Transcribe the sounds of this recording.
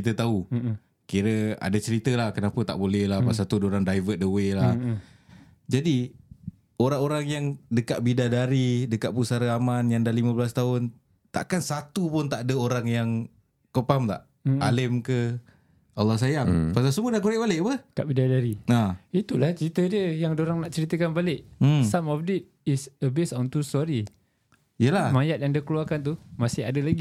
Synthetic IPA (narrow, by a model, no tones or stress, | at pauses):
t͡ʃit̪ət̪au | kiɾəa̰dat͡ʃəɾit̪əlahkənapət̪a̰ʔbolɛhlahpasat̪uadoɾaŋdajvət̪̚dəwelah | d͡ʒadi | oɾaŋoɾaŋjaŋdəkaʔ̚bidadaɾidəkaʔ̚pusaɾəamanjaŋdalimãbəlast̪aɦʊn | t̪a̰ʔkansat̪upʊnt̪aʔdəoɾaŋjaŋ | kəpamt̪a̰ʔ | alɪmkə | alːɔhs̬ajaŋpas̬asəmudaʔkuɾɪʔ̚balɪʔpəkaʔbidadaɾiait̪ulaht͡ʃɾit̪ədiəjaŋdoɾaŋnaʔt͡ʃəɾit̪əkanbalɪʔsamɔp̚det̪̚isəbesɔnt̪ustɔɾi | ijəlahmajat̪̚jaŋdiəkəluarkant̪̬umasɪɦa̰dəlaɡi